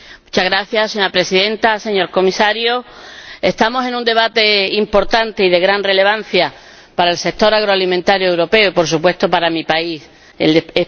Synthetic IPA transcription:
mut͡ʃaɣɾaθjasseɲoapɾe̞siðe̞nt̪ase̞ɲo̞ɾko̞misaɾjoe̞st̪amo̞se̞nũnd̪e̞βat̪e̞impo̞ɾt̪ant̪e̞iðe̞ɣɾanre̞le̞β̞an̟θja | paɾaelse̞k̚t̪o̞ɾaɣ̞ɾoalimẽnt̪aɾjoewɾo̞pe̞oipo̞ɾsupwe̞st̪opaɾamipais | ḛlee

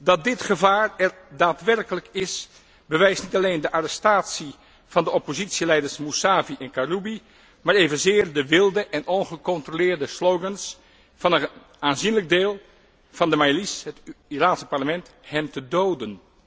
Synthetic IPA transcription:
dɑt̚dɪtχəvaːɹɛr | daːtʋɛrkələkɪs | bəʋɛjsnitɑleːndəʔarɛstaːtsi | v̥ɑndəɔpozitsilɛjdəɹsmusaːviʔɛnkarubi | maːɹeːvənzɪːɹdəʋɪlˠdəʔɛnɔnχəkɔntrolɪːɹdəslowɡəns | v̥ɑnə | aːnzinləɡ̚deːlˠ | v̥ɑndəmajlisɦətiraːnsə̥pɑɹləmɛnthɛmtədoːdən

